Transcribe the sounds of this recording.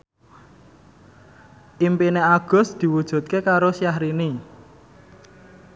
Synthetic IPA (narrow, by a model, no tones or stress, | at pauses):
ʔimpineaɡ̥ɔ̤sd̪̥i̤wud̥ʒ̥ṳt̪̚kekaɾosijahɾini